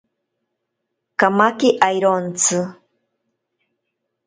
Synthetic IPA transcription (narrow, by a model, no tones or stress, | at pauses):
kamakiʔajɾont͡sʰɨ